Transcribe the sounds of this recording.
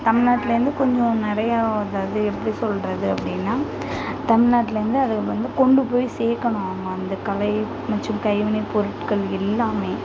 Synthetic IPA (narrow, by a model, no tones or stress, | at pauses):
t̪ɐmɪɭnaːʈːɪlɐɾɪnd̪ɯkɔɲd͡ʒɔ̃nɪɾɐjaːɐðaːðɯɛpːɐɽisɔlɾɐðɯɐpːɐɽɪnːaː | t̪ɐmɪnaːʈːɪlɐɾɪnd̪ɯɐðɯɣɐɭʋɐnd̪ɯkɔɳɖɯpoːjseːkːɐɳʊ̃amɐɐnd̪ɐkɐlɐɪ | mɐt͡ʃːɯ̃mkɐɪʋɐnɛpɔɾɯʈkɐɭɪlːaːmeː